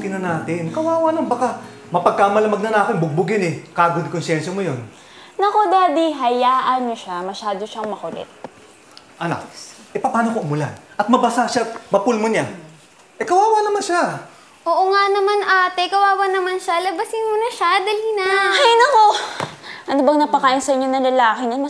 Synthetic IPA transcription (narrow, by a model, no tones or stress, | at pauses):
kɪnɐnaːt̪ɪnkɐwaːwanaŋbɐka | mɐpɐɡ̚kamɐlɐmɐɡ̚nɐnaːkɪnbʊɡ̚bʊɡɪnɛkaːɡod̪konsjɛnʃɐmojon | nɐkod̪aːd̪iɦɐjaːʔɐnmoʃamɐʃaːd̪o̞ʃɐŋmɐkolɛ̰t̪̚ | ʔɐna̰kʔɛpɐpaːnokoʔʊmʊlanʔɐt̪̚mɐbɐsaʃamɐpʊlmoɲa | ʔɛkɐwaːwanɐmanʃa | ʔoːʔoŋanɐmanʔaːt̪ɛkɐwaːwɐnɐmanʃalɐbɐsɪnmʊnɐʃad̪ɐlɪnahajnɐko̞ | ʔɐnobɐŋnɐpɐkaːjɪnsɐʔɪɲo̞nɐŋlɐlaːkɪɲɐmɐ